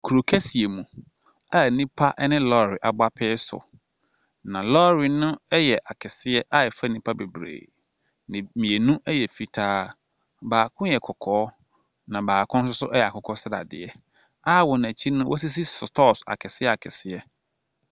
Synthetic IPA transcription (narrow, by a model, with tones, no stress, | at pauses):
kʰu˨ɾo˨kʰæ˦si˨e˨mũ˨ | a˦˨nĩ˦pʰa˦ʔnɪ̃˦lɔ˦˨ɾɪ˨ʔa˨ba˦pʰɛː˦sʊ̰˨ | nã˨lɔ˦ɾi˨nʊ̃˦ɛ˦jɛ˨ʔa˨kʰɛ˨sɪ˦ɛ˦ʔa˦jɛ˨fa˦˨nĩ˦pʰa˦be˨bɾḛː˨ | nɪ̃˨mĩ˨e˨nũ˦ʔɛ˦jɛ˨fi˦tʰaː˦ | baː˨kʰʊ̃˦jɛ˨kʰɔ˨kʰɔː˨˦ | nã˨baː˨kʰʊ̃˦nsʊ˦sʊ˦ʔɛ˦jɛ˨a˨kʰɔ˨kʰɔ˦sɪ˦da̰˨dɪ̰˨ɛ˦ | a˦wɔ˨n˨æ˨t͡ɕʰi˦nʊ̃˦wʔɔ̰˦s̬i˦s̬i˦sʊ˨tʰɔː˦˨sa̰˨kʰɛ˨sɪ˦ɛ˦a˨kʰɛ˨sɪ˦ɛ˦